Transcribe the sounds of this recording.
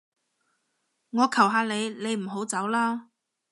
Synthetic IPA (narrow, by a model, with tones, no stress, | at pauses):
ŋɔː˨˧kʰɐ˨˩wɦaː˨˧le˨˧jle˨˧jm̩˨˩ɦo˨˥wt͡sɐ˨˥wlaː˥